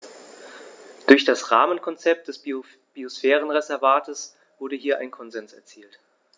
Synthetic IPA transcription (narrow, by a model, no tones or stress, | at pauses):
d̥ʊɐçd̥asʁaːmənkʰɔnt͡sɛp̚t̚d̥ɛs | b̥iosfɛːʁ̞ənʁezɛɐvaːtʰəs | v̥ʊɐdəɦiːɐʔa̰ɪnkʰɔnzɛnsɛ̰ɐt͡siːlt